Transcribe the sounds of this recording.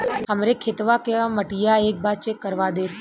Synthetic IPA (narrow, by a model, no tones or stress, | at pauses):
ɦəmɾekʰet̪ʋakeaməʈijaeːk̚baːt͡ʃekəɾʋad̪eː